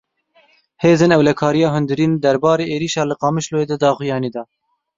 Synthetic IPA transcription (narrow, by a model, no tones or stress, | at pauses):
heːzeːnɛwlɛkʰɑːɾijɑːɦʊnd̪ɨɾiːnd̪ɛɾbɑːɾeːʔeːɾiːʃɑːlɨqɑːmɨʃloːjeːd̪ɨd̪ɑːxujɑːniːd̪ɑː